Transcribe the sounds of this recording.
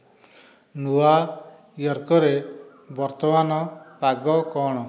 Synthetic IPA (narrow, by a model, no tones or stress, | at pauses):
nua | jɔɾkɔɾe | bɔɾt̪ɔmanɔpaɡɔkɔɽ̃ɔ